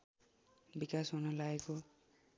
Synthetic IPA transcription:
bikasɦunʌlaeko

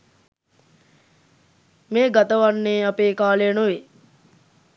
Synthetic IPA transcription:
meːɡat̪əʋanːeːapeːkaːlenoʋe

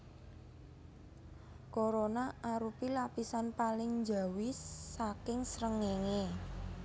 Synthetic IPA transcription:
koɾonaʔaɾupilapisanpalɪŋɲd͡ʒa̤wɪsːakɪŋsɾəŋeŋe

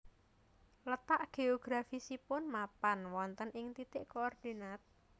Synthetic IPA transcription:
lət̪aʔɡ̥eoɡ̥ɾafisipʊnmapanwɔnt̪ənʔɪŋt̪it̪ɪʔkoɔrd̪̥inat̪̚

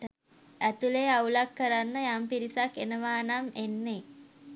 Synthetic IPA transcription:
æt̪uleaulakːəɾanːəjampiɾisakːenəʋaːnamenːe

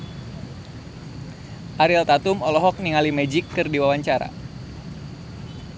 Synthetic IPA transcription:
ʔaɾilt̪at̪umɔlɔɦɔk̚niŋalimɛd͡ʒikːɨrdiwawaɲt͡ʃaɾa̰

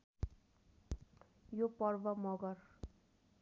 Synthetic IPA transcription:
jopʌrbʌmʌɡʌr

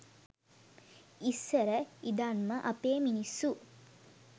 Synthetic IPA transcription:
isːəɾəid̪anməʔɐpeːminisːu

